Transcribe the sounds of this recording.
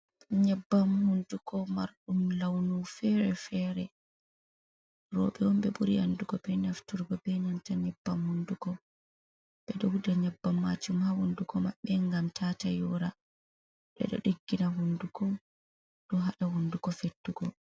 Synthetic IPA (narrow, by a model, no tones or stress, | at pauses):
ɲɛbːamhundukʰɔmaɾɗumlawnufɛɾɛfɛɾɛ | ɾɔ̰ɓɛwɔmbɛɓuɾianduɡɔbɛnaftuɾbɔbɛnantaɲɛbːamhundukɔ | ɓɛɗɔwudaɲabːamːad͡ʒumhahundukɔma̰ɓɛŋɡamtʰatajɔɾa | ɓɛ̰ɗɔ̰ɗiɡːinaɦundukɔm | ɗɔɦaɗahundukɔfetːuɡɔ